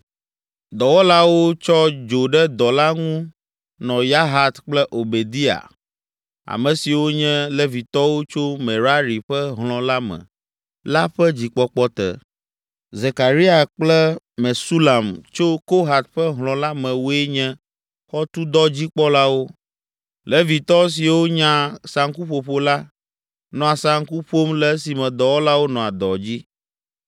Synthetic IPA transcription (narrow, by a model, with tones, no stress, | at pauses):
d̪ɔ˨wɔ˦la˦wo˦t͡ʃɔ˦d͡ʒo˨ɖɛ˦d̪ɔ˨la˦ŋũ˦ | nɔ̃˨ja˦ɦa˨t̪k͡plɛ˦ʔo˨be˨d̪i˦a̰˨ | a̰˨mɛ̃˨si˨wo˦ɲɛ̃˦le˦vi˨t̪ɔ˦wo˦t͡ʃo˦mẽ˨ɾa˦ɾi˨ɸɛ˦ɦlɔ̃˨la˦mɛ̰̃˨ | la˦ɸɛ˦d͡ʑi˨k͡pɔ˦k͡pɔ˦t̪ɛ̰˨ | ze˨ka˨ɾi˦a˨k͡plɛ˦ | mɛ̃˨su˦la˨mt͡ʃo˦ko˦ɦa˨t̪̚ɸɛ˦ɦlɔ̃˨la˦mɛ̃˨wo˦ɛ˦ɲɛ̃˦ | xɔ˦t̪u˦d̪ɔ˦d͡ʑi˦k͡pɔ˦la˦wo˦ | lɛ˦vi˨t̪ɔ˦s̬i˨wo˦ɲã˦sa˨ŋku˦ɸo˨ɸo˦la˦ | nɔ̃˨a˨sa˨ŋku˦ɸo˦mlɛ˦si˨mɛ̃˨d̪ɔ˨wo˦la˦wo˦nɔ̃˨a˨d̪ɔ˨d͡ʑi˦